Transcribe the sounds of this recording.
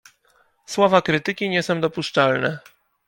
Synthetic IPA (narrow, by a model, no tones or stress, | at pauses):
swɔvakɾɘt̪ɘkʲiɲɛsɔ̃w̃d̪ɔpuʂt͡ʂalnɛ